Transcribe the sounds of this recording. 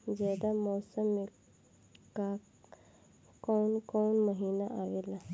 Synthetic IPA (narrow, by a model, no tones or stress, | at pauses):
d͡ʒɛːd̪amɔːsəm | ka | kɔːnkɔːnməɦiːnaʔaːʋeːla